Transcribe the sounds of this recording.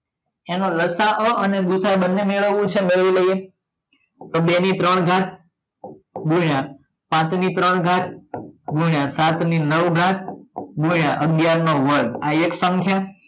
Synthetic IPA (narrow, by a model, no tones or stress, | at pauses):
enõləsaʔəʔəneɡusaebənːemeɭəʋũt͡ʃʰemeɭʋiləie | t̪obenit̪ɾəɳɡʱãt̪̚ʰ | ɡuɭjã | pãt͡ʃnit̪ɾəɳɡʱãt̪ʰɡuɳjãsat̪ninəʋɡʱãt̪̚ʰɡujãʔəɡjaɾnoʋəɾɡaeksə̃ŋkʰja